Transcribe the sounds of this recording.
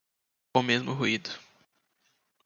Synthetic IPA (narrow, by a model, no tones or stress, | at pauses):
õmezmʊɦuid̪ʊ